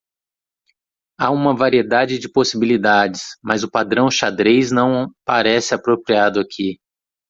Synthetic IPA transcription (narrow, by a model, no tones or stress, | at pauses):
aũmɐvaɾied̪ad͡ʒɪd͡ʒɪposibilid̪ad͡ʒɪsmɐzʊpad̪ɾɐ̃w̃ʃad̪ɾejznɐ̃w̃paɾɛsɪapɾopɾiad̪ʊakʰi